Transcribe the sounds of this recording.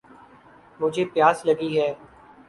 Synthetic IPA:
mʊd͡ʒʱeːpjaːsləɡiɦɛː

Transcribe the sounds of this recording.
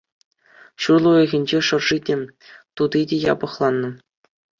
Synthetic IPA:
ɕurlˠuĕɣʲĕnʲd͡ʑeʂɤ̆rʐidʲe | t̪ud̪idʲejɑ̰bɤ̆χlˠɑnːɤ̆

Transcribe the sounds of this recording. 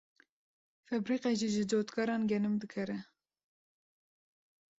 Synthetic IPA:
fɛbɾiqeʒiʒɨd͡ʒoːt̪kʰɑɾɑːnɡɛnɨmd̪ɨkʰɛɾɛ

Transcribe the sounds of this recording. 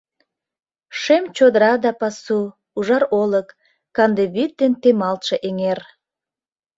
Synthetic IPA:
ʃemt͡ɕod̪əɾɑd̪ɑpɑsu | uʒɑɾoləkː | ɑnd̪eβit̪̚d̪ent̪emɑlt̪ʃeʔeŋer

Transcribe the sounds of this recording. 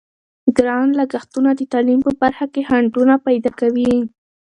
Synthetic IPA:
ɡɾɑnlaɡaxt̪unad̪ət̪ɑlimpəbaɾxakehaɳɖunapajd̪ɑkawi

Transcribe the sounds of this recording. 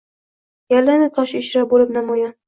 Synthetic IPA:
jalːanɪt̪ʰɒʃɪʃɾabolɪp̚namɒjɑn

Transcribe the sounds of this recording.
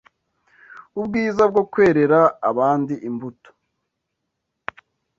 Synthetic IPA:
ubɡiːzab̚ɡo̞kwe̞ːɾe̞ɾaːβaːndiʔimbuto̥

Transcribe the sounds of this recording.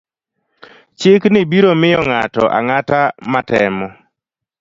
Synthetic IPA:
t͡ʃɪknɪbiɾomɪjɔŋatɔʔa̰ŋatamatɛmɔ

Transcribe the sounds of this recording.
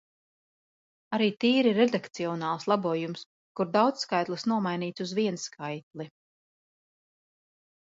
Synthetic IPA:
aɾiːt̪iːɾiɾɛd̪akt̪siɔnaːlˠslˠabuɔjums | kuɾd̪awd̪sskajt̪lˠɨsnuɔmajniːt̪suzviɛnskʰajt̪̚lˠi

